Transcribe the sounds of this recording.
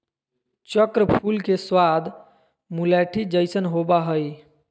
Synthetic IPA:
t͡ʃəkɾəpʰulkeswad̪ | mulɛʈʰid͡ʒəɪsənɦobaɦəj

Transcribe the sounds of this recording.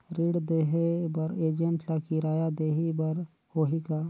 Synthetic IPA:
ɾiːɽd̪eɦebɐɾeːd͡ʒəɳʈlakiɾaːjad̪eːɦibɐɾ | hoːɦikaː

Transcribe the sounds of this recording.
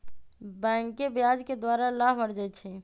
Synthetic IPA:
bɛ̃ŋkːebjad͡ʒked̪waɾalabbəɽd͡ʒajt̪t͡ʃʰɛ

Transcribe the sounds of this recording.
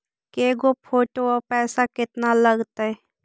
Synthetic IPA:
keːɡopʰoːʈoɔpɛːsakɪt̪nalɐɡt̪aɦɛ

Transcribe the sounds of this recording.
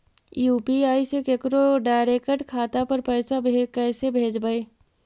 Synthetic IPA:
juːpiaːisekekɾoɖaːɪɾeːkəʈkʰaːt̪apɐɾpɛːsabʱekɛːsebʱeːd͡ʒbəeː

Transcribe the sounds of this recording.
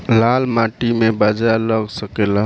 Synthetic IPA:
lalmaʈimebad͡ʒaləɡsəkela

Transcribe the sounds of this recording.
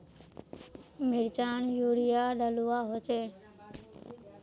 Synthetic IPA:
mɪɽt͡ʃaːnjuːɽɪjaːɗəluːaːɦoːt͡ʃeː

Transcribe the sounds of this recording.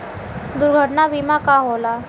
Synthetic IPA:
d̪uɾɡʱəʈɳabimakaɦola

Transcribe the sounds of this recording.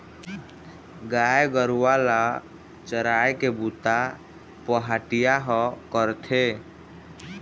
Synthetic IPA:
ɡajɡəɾuwala | t͡ʃəɾaekebut̪a | pəɦaʈijaɦəkəɾt̪ʰe

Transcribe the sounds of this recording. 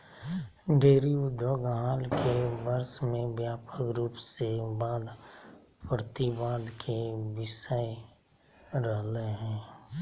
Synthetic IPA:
ɖeːɾiʊd̪ʱoɡɦaːlkʰebəɾsmẽbjaːpəkɾuːpsebaːd̪ | pɾət̪ibaːd̪kʰeʋɪsəe | ɾəɦleɦɛ̃ː

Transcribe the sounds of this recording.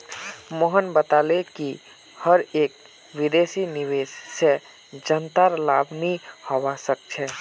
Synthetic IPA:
moɦənbət̪aleki | həɾeːk̚ | wɪd̪eːsiniʋeːʃːe | d͡ʒənt̪aɾlaːbnihɔwasək̚t͡ʃʰɛː

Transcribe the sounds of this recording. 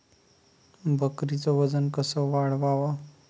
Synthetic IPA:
bʱəkɾit͡sɔʋəd͡zənkəsɔʋaɽ̤ʋaʋa

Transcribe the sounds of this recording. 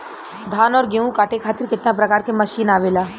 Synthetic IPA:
d̪ʱaːnɔːɾɡeũkaːʈekʰaːt̪ɪɾkɪt̪nãp̬ɾɐkaːɾkeməʃiːnaːʋeːlaː

